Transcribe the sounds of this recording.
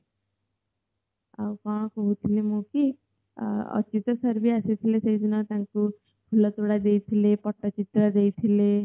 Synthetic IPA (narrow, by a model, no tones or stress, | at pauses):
a̰wkɔ̃ɦãkoɦut̪ʰilemũki | ʌ̰t͡ʃit̪ɔsʌɾbiaset̪ʰileseid̪inat̪ãŋku | bʱulɔt̪oɽad̪ejt̪ʰilepʌʈːʌt͡ʃit̪ɾad̪ejt̪ʰile